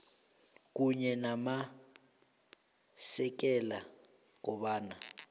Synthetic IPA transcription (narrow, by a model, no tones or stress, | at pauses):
k̬ʼuɲɛnama | sɛk̬ʼɛla | k̬ʼɔɓaːna